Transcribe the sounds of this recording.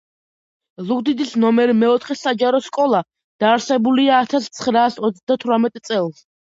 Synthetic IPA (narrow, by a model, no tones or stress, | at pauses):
lˠuɡd̪id̪isnɔmɛɾimɛɔt̪ʰχɛsad͡ʒaɾɔskʼɔlˠa | d̪̥aːɾsɛbuliaːt̪ʰast̪sʰχɾaːsɔt̪sʰd̪at̪ʰɾamɛt̪ʼt̪sʼɛlˠs